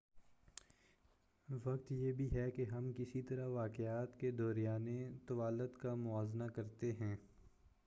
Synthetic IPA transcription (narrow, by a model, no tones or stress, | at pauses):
ʋɐkt̪jeːbʱiɦɛkeɦɐmkɪsit̪ɐɾaʋaːkɪaːt̪ked̪ɔːɾijaːnet̪ɐʋaːlət̪kamʊaːznakɐɾt̪eɦɛ̃ː